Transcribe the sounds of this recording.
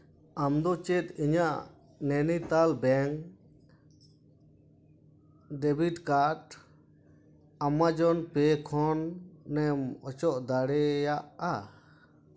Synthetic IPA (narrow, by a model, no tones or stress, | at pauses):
amd̪ɔt͡ʃɛt̪iɲaʔ | nɛnit̪albɛŋ | ɖɛbiʈkaɾʈ | amad͡ʒɔnpɛkʰɔnːɛmɔt͡ʃɔʔd̪aɽɛjaʔa